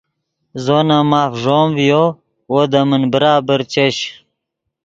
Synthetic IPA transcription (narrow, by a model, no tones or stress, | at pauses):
zonamaːfʐoːmvijo | wod̪əmənbəɾaːbəɾt͡ɕeɕ